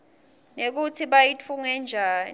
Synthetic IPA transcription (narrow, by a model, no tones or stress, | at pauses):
nek̬utʰiɓajit͡fʰuŋɛnd͡ʒʱaːn